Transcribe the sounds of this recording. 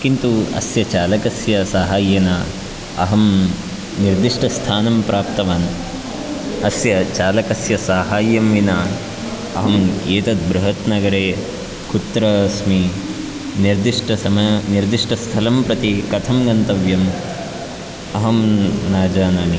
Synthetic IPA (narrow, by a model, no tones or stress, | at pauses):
kint̪uɐ̰sjɐt͡ʃaːlɐkɐsjɐsaːɦaːjːeːna | ɐ̰ɦɐm | niɾd̪iʂʈʰɐst̪ʰaːnɐmpɾʔaːp̚t̪ɐʋaːn | ɐsjɐt͡ʃaːlɐkɐsjɐsaːɦaːjːɐmʋinaː | ɐ̰ɦɐmeːt̪ɐt̪̚bɾuɦɐt̪nɐɡɐɾeː | kut̪ːɾɐsmi | niɾd̪iʂʈʰɐɐmniɾd̪iʂʈʰɐst̪ʰɐlɐmpɾɐt̪ikɐt̪ʰɐmɡɐnt̪ɐʋjɐm | ɐɦɐmnaːd͡ʒaːnaːni